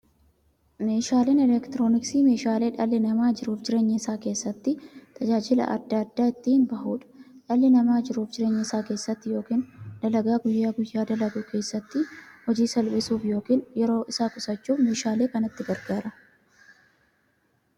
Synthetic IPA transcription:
me̞ːʃaːle̞ːnɛlɛkt̪ɪɾo̞ːnɪksiːme̞ːʃaːle̞ːᶑɐlːɪnɐmaːd͡ʒɪɾuːfd͡ʒɪɾe̞ːɲːɐɪsaːke̞ːsːɐt̪ːɪt̪ʰɐd͡ʒaːd͡ʒɪlɐ̰ʔɐ̰d̪ːɐɐd̪ːaːɪt̪ːiɪnbɐhuːᶑɐ̥ᶑɐlːɪnɐmaːd͡ʒɪɾuːfd͡ʒɪɾe̞ːɲːɪɪsaːke̞ːsːɐt̪ːɪjo̞ːkiːnd̪̥ɐlɐɡaːɡʊjːaːɡʊjːaːd̪ɐlɐɡʊke̞ːsːɐt̪ːɪhɔd͡ʒiːsɐlbɪsuːfjo̞ːkiːnjɛɾo̞ːʔɪsaːkʼʊsɐt͡ʃːuːfme̞ːʃaːleːkɐnɐt̪ːɪɡɐɾɡaːɾɐ

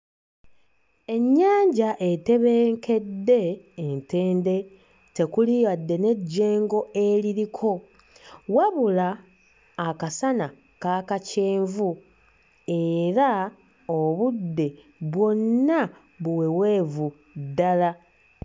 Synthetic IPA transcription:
e̞ɲːaːɲɟaʔe̞te̞βe̞ːŋke̞dːe̞ːnte̞ːnde̞ | te̞kulijadːe̞ne̞ɟːe̞ːŋɡo̞e̞liɾikʰo̞ | waβulaː | kasana | kaːkaceːɱvu | e̞ɾa | oβudːe̞ | βwo̞nːa | βuwe̞we̞ːvu | dːala

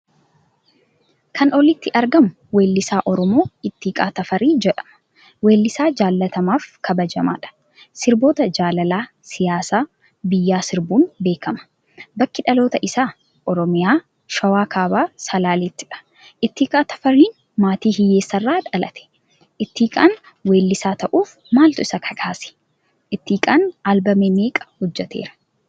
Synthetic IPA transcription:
kʰɐnɔlɪt̪ːɪʔɐɾɡɐmʊ | we̞ːlːɪsaːʔɔɾɔmo̞ːɪt̪ːiːkʼa̰ːt̪ɐfɐɾiːd͡ʒɛᶑɐ̥m | we̞ːlːɪsaːd͡ʒaːlːɐt̪ɐmaːfkɐbɐd͡ʒɐma̰ːᶑɐ̥ | sɪɾbo̞ːt̪ɐd͡ʒaːlɐlaː | sɪjaːsaː | bɪjːaːsɪɾbuːnbe̞ːkɐmɐ̥ | bɐkːɪᶑɐlo̞ːt̪ɐʔɪsaː | ʔɔɾɔmɪjaː | ʃɐwaːkʰaːbaːsɐlaːlɛt̪ːɪᶑɐ̥ | ʔɪt̪ːiːkʼaːt̪ɐ̥fɐɾːiːn | maːt̪iːhɪjeːsːɐrːaːᶑɐlɐ̰t̪ʰɛ̥ | ʔɪt̪ːiːkʼaːn | weːlːɪsaːt̪ɐʔuːf | maːlt̪ʊɪsɐkʰɐkʰaːsɪ̥ | ʔɪt̪ːiːkʼaːnaːlbɐmeːneːkʼɐ̥hɔd͡ʒːɛt̪eːɾɐ̥

